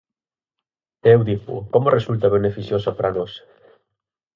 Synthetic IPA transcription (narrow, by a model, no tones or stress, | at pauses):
ewd̪ipʊ̰komʊrʔesult̪ɐβ̞enefiθjosapɾanɔs